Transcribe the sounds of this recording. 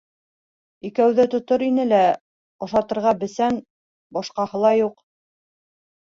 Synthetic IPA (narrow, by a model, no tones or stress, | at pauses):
ikæwðɘt̪ŏt̪oɾinɘlæ | ɑʃɑt̪ɤ̆ɾʁɑbɘ̆sæn | bɑʃqɑhɤ̆lˠɑjuq